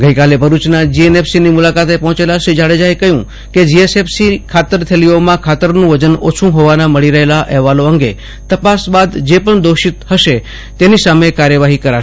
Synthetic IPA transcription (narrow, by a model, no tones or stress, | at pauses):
ɡəikalebʱəɾut͡ʃnad͡ʒienefsinimulakat̪epɔɦɔ̃t͡ʃelaʃid͡ʒaɽed͡ʒaekəɦjũ | ked͡ʒiesefsikʰat̪əɾt̪ʰeliomãkʰat̪əɾnũʋəd͡ʒəno̰t͡ʃʰũɦoʋanaməɭiɾəɦelaʔɛɦʋaloəŋɡe | t̪əpasbad̪d͡ʒepəɳd̪oʃit̪həʃe | t̪enisamekaɾjəʋaɦikəɾa